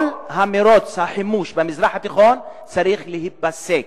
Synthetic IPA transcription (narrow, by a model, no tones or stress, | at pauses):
lhameɾot͡shaħɪmuːʃbemɪzɾaːħat̪iχon | t͡saɾiːχlehit̪̚basːek